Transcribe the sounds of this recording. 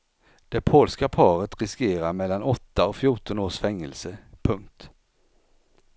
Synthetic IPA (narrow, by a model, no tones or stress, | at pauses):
d̪̥ɛpʰoːlskapʰɑːɾət̪ɾɪskeːɾaɾmɛlːanɔt̪ːaɔfjʊʈɔnoːʂfɛŋːəlsəpʰɵŋk̚t̪